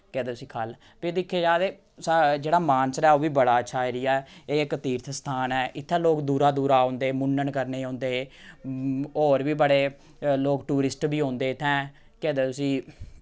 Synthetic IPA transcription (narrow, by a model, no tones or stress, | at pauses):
kɛːd̪eːt̪ʊsĩːkʰəl | peːd̪ɪkʰːeːd͡ʒaːd̪eː | sad͡ʒeːɽaːmaːnsɾɛːoːʋiːbəɽaːət͡ʃʰaːiɾɪjaeːkət̪iːɾt̪ʰst̪ʰaːnɛːʔɪt̪ʰːɛ̃ːloːkd̪uːɾaːd̪uːɾaːõːnd̪eːmʊnːəɳkəɾneːɦãːnd̪eːeː | oːɾʋiːbəɽeː | loːkʈuːɾɪsʈbiːɦõːnd̪eːɪt̪ʰːɛ̃ː | kɛːd̪eːt̪ʊsĩː